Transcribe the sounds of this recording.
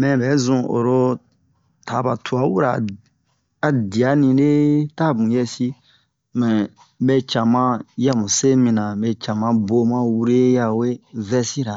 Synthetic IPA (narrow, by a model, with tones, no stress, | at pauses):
mɛ̃˨bɛ˨˦zũ˨˧o̰˨ɾo˦ | tʰa˨˦ba˨tʰu˨a˨˦wu˦ɾa̰˨ | a˨di˨a˨˦nĩ˧de˦ta˦˨bũ˨jɛ˧si˦ | mɛ̃˨ | bɛ˧t͡ʃã˨mã˦ja˧mũ˨se˦mĩ˧nã˨bɛ˧t͡ʃã˨mã˧bo˧mã˦wu˦ɾe˦ja˧we˦vɛ˧si˦ɾa˨